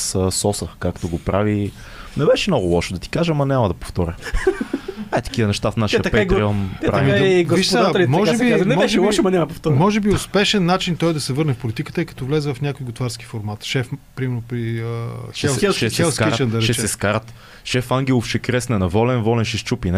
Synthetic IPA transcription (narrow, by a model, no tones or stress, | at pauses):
səsɔsəkakt̪oɡopɾavi | nɛbɛʃɛmnɔɡʊlˠɔʃod̪ɐt̪i̥kaʒəmɐnʲamɐd̪ɐpo̥ft̪ɔɾʲə | at̪ɐ̥k̟ivɐnɛʃt̪afnaʃit̪ɐpɛiɡ̪ɾiɐmpɾavimiviʃʃt̪d̪alimɔʒɛb̪inɛmɛʒʃɛɔmɐnʲamɐpoft̪ɔmɔʒɛbiʊspɛʃɛnːat͡ʃint̪ɔjd̪ɐsɛvɤɾnɛfpolit̪ikə̥t̪əikɐ̥t̪ɔvlɛzɛvɐfnʲakojɡʊt̪vaɾsk̟i̥foɾmat̪ʃɛfpɾimɛɾnopɾiəʃɛlʃɛxɛlsiʃɛnd̪ɐɾɛʃɛt͡ʃɛɛskaɾət̪ | ʃɛfaŋɡʲɛlˠofʃɛkɾɛsnɛnɐvɔlɛnvɔlɛnʃɛʃt͡ʃupin